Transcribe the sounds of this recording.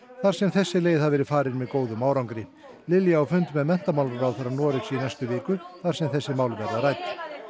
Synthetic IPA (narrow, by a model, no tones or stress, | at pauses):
θaɾ̥sɛmθɛsːɪleːjðhaðvɛːɾɪfaːɾɪnmɛðkoːwðʏmawɾawŋkɾɪ | lɪljaawfʏnt̪mɛðmɛn̥t̪amawlʏɾawθɛɾːaɾnɔːɾɪksiːnajst̪ʏvɪːkʏθaɾ̥sɛmθɛsːɪmaːwlvɛɾðaɾajt̪ɪ̥